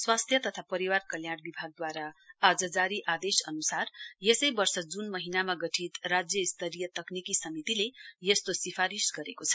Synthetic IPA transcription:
swast̪ʰjʌt̪ʌt̪ʰapʌɾiwarkʌljaɽbibʱaɡ̚d̪waɾaad͡zʌd͡zaɾiʔad̪esʌ̰nusarjesʌjbʌrsʌd͡zunmʌɦinamaɡʌʈʰit̪rad͡zjʌist̪ʰʌɾijʌt̪ʌknikisʌmit̪ilejest̪osipʰaɾisɡʌɾekot͡sʰʌ̥

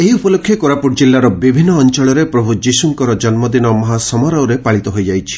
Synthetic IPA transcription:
eɦiupɔlokʰːjekoɾapuʈd͡ʒilːaɾɔbibʱinːɔːnt͡ʃɔɭɔɾepɾɔbʱud͡ʒisuŋkɔɾɔd͡ʒɔnmɔd̪inɔmɔɦasɔmɔɾɔwɾepaɭit̪ɔɦojd͡ʒajt͡ʃʰi̥

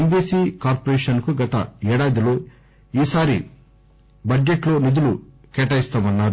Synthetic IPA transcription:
nd̪iːsiːkaːɾpɐɾeːʃɐnkuɡɐt̪ɐ̰ɛːɽaːd̪iloː | iːsaːɾi | bɐd͡ʒːeʈlo̞ːnid̪ulu | kɛːʈɐjist̪aːmɐnːaːɾu

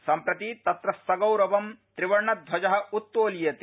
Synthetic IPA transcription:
sɐmpɾɐt̪it̪ɐt̪ɾɐsːɐɡɐwɾɐʋɐmt̪ɾiʋɐɾɳɐd̪ʱʋɐd͡ʒɐɦɐ̆ut̪ːoːlijɐt̪

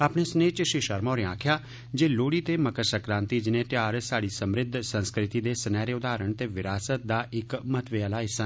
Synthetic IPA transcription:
aːpɳeːsneːt͡ʃʃɪʃəɾmaːɾẽãːkʰjaː | d͡ʒeːloːɽiːt̪eːməkəɾsəkɾãːnt̪iːd͡ʒɪnẽːt̪jaːɾsaːɽiːsəmɾɪd̪ʱsə̃nskɾɪt̪iːd̪eːsənɛːɾeːʊd̪aːɾəɳt̪eːʋɪɾaːsət̪̚d̪aːʔɪkmət̪ʋeːəlaːɪsən

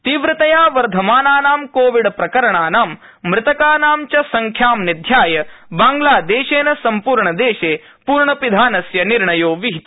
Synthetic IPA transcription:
t̪iʋɾɐt̪ɐjaːʋɐɾd̪ʱɐmaːnaːnaːmkoːʋiɽpɾɐkɐɾɐɳaːnaːm | mɾɪt̪ɐkaːnaːmt͡ʃɐsɐŋkʰjaːmnid̪ʱjaːjɐbaːŋɡlaːd̪eːʃeːnɐsɐmpuːɾɳɐd̪eːʃeː | puːɾɳɐpid̪ʱaːnɐsjɐniɾɳɐjoːʋiɦit̪

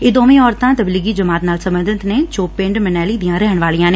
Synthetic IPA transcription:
ɪd̪oːmẽɔːɾt̪ãt̪əbliɡid͡ʒəmaːt̪naːlsə̃mbə̃nd̪ʱɪt̪net͡ʃoːpɪ̃ɳɖmənɛːlid̪ijãːɾɛɦəɳʋaːlijãːne

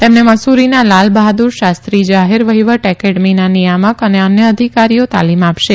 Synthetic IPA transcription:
t̪emneməsuɾinalalbaɦad̪uɾʃast̪ɾid͡ʒaɦeɾʋəɦiʋəʈɛkeʈminanijaməkəneənjəːd̪ʱikaɾijot̪a̰limapʃe

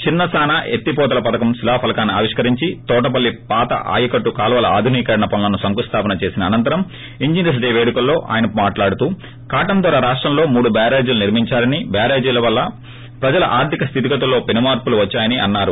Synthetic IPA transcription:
t͡ʃinːɐsaːnaʔet̪ːipɔːt̪ɐlɐpɐt̪ɐkɐmsilaːpʰɐlɐkaːnːiaːʋiʂkɐɾiɲt͡ʃit̪ɔːʈɐp̬ɐlːipaːt̪ɐ̰ʔa̰ːjɐkɐʈːukaːlʋɐːlɐaːd̪ʱuniːkɐɾɐɳɐpɐnlɐnusɐŋkust̪ʰaːpɐnɐt͡ʃeːsinɐːnɐnt̪ɐɾɐm | iɲd͡ʒines̬ɖeːʋeːɽukɐlːo̞ːʔa̰ːjɐnɐmaːʈlaːɽut̪uː | kaːʈɐmd̪ʋaːɾaɾaːʂʈɾɐmlo̞ːmuːɽubaːɾeːd͡ʒuluniɾmiɲt͡ʃaːɾɐnibjaːɾeːd͡ʒilɐʋɐlːɐ | pɾɐd͡ʒɐlɐ̰ʔaːɾt̪ʰikɐst̪ʰit̪̬ikɐt̪ulːo̞ːpinimaːɾpuluʋɐt͡ʃːaːjɐniʔɐnːaːɾu

